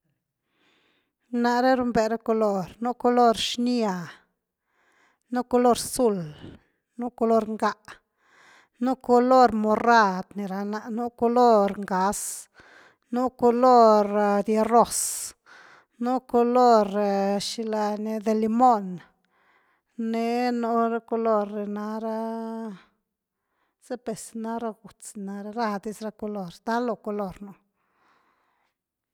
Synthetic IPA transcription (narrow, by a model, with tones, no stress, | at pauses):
na˨ɾe˦ɾu˧˦mbe˨ɾa˦ko˧lo˧ɾnu˦ko˧lo˦ɾʃni˦a˨ | nu˦ko˧lo˦ɾsu˧l | nu˦ko˧lo˦ɾŋɡa˦˧ʔ | nu˦ko˧lo˦ɾmo˨ra˦˧d̪ni˨ɾa˨na˧ʔnu˦ko˧lo˦ɾŋɡa˨˦s | nu˦ko˧lo˦ɾd̪je˧ro˦˨s | nu˦ko˧lo˦˧ɾʃi˧la˧ne˧d̪e˧li˧mo˦n | ne˧˦no˧ɾa˦ko˧lo˦˨ɾːe˨na˧ɾa˦ | z̥e˦pe˨sna˧ɾa˦˧ɡu˨t͡sna˧ɾa˧ɾa˧d̪i˦sɾa˧ko˧lo˦˧ɾd̪a˦lo˧ko˧lo˦˧ɾno˧˦